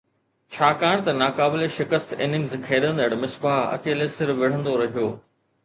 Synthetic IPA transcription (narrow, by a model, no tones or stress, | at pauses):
t͡ɕʰaːkaːɽ̃t̪ɐnaːkaːbɪleʃɪkəst̪ɪ̰ːnɪ̃ŋɡzkʰeːɗə̃nd̪əɽmɪsbaːɦɐ̰keːlesɪɾʋɪɽ̤ə̃nd̪oɾɐɦijoː